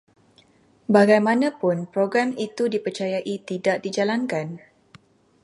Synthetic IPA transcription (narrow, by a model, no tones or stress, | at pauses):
baɡajmãnãpʊnpɾoɡɾamit̪udipərt͡ʃajaʔit̪idaʔ̚did͡ʒalankan